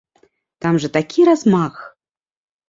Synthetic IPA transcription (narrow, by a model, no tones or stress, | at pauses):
t̪amʐɐt̪akʲʰiɾazmax